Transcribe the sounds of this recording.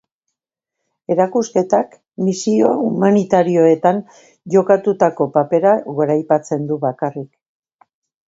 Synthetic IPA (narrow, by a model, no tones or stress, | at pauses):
e̞ɾakuske̞t̪ak | misio̞umanit̪aɾio̞e̞t̪an | ʝo̞kat̪ut̪ako̞pape̞ɾaɣo̞ɾajpat͡se̞nd̪uβakarik